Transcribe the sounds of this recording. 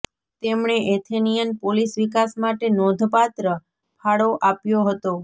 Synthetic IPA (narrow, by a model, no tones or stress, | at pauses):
t̪emɳeʔet̪ʰenijənpolisʋikasmaʈenɔd̪ʱpat̪ɾə | pʰaɽoʔapjoɦət̪o